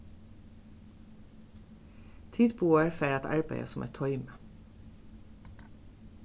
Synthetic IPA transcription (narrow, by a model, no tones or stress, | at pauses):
t̪ʰiːd̪buːəɹfeːɾɑt̪æ̰ɹbæ̰ɪə̰sʊmʔḛt̪ʰɔʏmə